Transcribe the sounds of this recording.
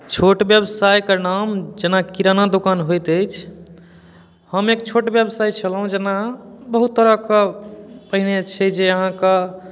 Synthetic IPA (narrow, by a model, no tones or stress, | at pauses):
t͡ʃʰoʈbjebsajkənamd͡ʒenakiɾanad̪okanɦojt̪əjt͡ʃʰ | həmekt͡ʃʰoʈbjebsajt͡ʃʰəlɦũd͡ʒenabəɦut̪ːəɾəkəpəɦinet͡ʃʰɛd͡ʒeəɦãkə